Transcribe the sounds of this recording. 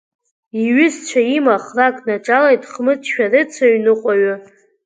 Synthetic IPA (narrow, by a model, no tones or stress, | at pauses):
iɥʏzt͡ʃʷʰaimaχrakʼnaʈ͡ʂʼalejtʼχmɨt͡sʰʼʃᶣarɨt͡sʰaɥnɨqʷʼaɥa